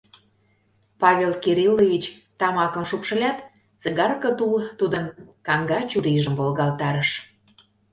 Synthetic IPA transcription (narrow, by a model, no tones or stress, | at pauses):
pɑβʲelkeɾilːovʲit͡ɕt̪ɑmɑkə̆mʃupʃə̆lʲɑt̪ | t͡səɣɑrkɤ̆t̪ult̪ud̪ənkɑŋɡɑt͡ɕuɾiʒə̆mvolɣɑlt̪ɑɾəʃ